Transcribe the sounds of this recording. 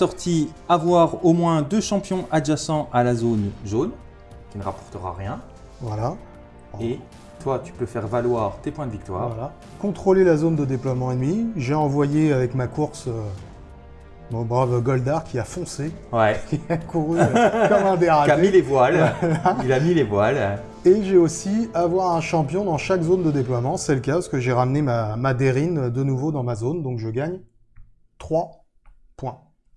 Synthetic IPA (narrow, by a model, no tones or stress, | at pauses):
sɔʁt̪ʰi | avwaʁomwɛ̃d̪øʃɑ̃pjɔ̃ʔad͡ʒasɑ̃ʔalazonʒon | kʲinəʁapɔʁt̪əʁa̰ʁjɛ̃ | vwalã | e | t̪wat̪y̥pøfɛʁvalwaːʁt̪epwɛ̃d̪əvik̚t̪wa̰ːʁvwala | kɔ̃t̪χolelazond̪əd̪eplwamɑ̃enmiʒeɑ̃vwajeavɛkmakuʁsø | mɔ̃bʁavɡɔld̪aʁkʲiafɔ̃sewɛkʲiakuʁykɔmɛ̃d̪eʁadailevwalailamilevwal | eʒeosiavwaʁɛ̃ʃɑ̃pjɔ̃d̪ɑ̃ʃakzond̪əd̪eplwamɑ̃sɛləkʲapaskəʒeʁamnemamad̪eʁinød̪ənuvod̪ɑ̃mazond̪ɔ̃kʒəɡʲaɲ | t̪χwa | pwɛ̃